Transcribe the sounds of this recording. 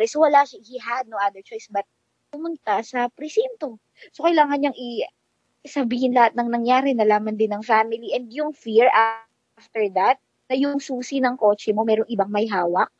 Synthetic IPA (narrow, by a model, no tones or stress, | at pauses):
ɛsowɐlaːʃahiɦad̪̚noʔad̪ɛɹt͡ʃojsbɐt̪̚ | pʊmʊnt̪asɐpɾɪsɛnt̪o̞ | sokɐjlaːŋɐnɲaɐŋʔɪ | sɐbiːhɪnlɐhat̪̚nɐŋnɐŋjaːɾɛnɐlaːmɐnd̪ɪnːɐŋfaːmɪliʔɛnd̪jʊŋfiɹa | ft̪ɛɹd̪ɐt̪̚ | nɐjʊŋsuːsinɐŋko̞ːt͡ʃɛmo̞mɛːɾoŋɪbaŋmɐjɦaːwɐk̚